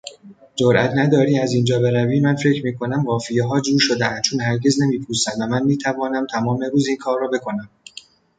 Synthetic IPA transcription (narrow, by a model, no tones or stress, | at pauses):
d͡ʒoɾʔæ̰t̪ʰnæd̪ɒːɾiːæziːnd͡ʒɒːbe̞ɾæviːmænfe̞cʰɾmiːkʰo̞næmɢɒːfijeɦɒːd͡ʒuːɾʃod̪eænd̪t͡ʃʰoːnɦæɾɟe̞zne̞miːpʰuːsæmvæmænmiːt̪ʰævɒːnæmt̪ʰæmɒːmeɾuːziːnkʰɒːrːɒːbe̞kʰo̞næm